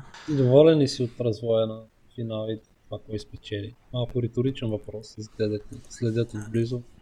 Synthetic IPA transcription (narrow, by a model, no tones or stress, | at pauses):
id̪ovɔlɛnisiot̪ɾɐzvɔjɛnɐ | finalˠi | t̪vakɔjspɛt͡ʃɛlimalˠkʊɾit̪ʊɾit͡ʃɛnvɐpɾɔszd̪ɛd̪ɛk̪nislɛd̪ʲjat̪ivblizʊ